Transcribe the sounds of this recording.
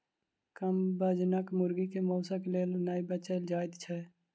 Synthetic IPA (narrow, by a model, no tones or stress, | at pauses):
kəmbəd͡ʒnəkmʊɾɡikemoːsəkleːlnaːibət͡ʃəld͡ʒaːɪd̪t͡ʃʰɛ